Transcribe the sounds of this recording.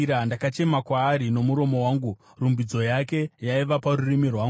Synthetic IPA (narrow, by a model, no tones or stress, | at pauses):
ɾandakat͡ʃe̞makwaːɾino̞muɾo̞mo̞waːŋɡu | rumbid͡zo̞jake̞jaiʋaparurimirwaːŋɡu